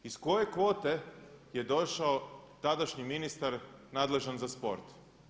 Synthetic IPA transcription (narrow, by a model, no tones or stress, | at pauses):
isko̞je̞kʋo̞ːt̪e̞je̞d̪o̞ʃaot̪ad̪aʃɲiminist̪aɾnaːd̪le̞ʒanzaspo̞̰ɾt̪